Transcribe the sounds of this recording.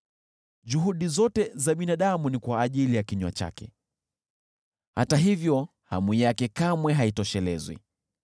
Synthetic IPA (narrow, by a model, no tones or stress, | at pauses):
ʄuɦuɗizɔtɛzaɓinaɗamunikwaːʄilijakiɲwa̰t͡ʃa̰kɛ̰ | hataɦivjɔ | ha̰mwijakɛkamwɛɦaitɔʃɛlɛ̰zwḭ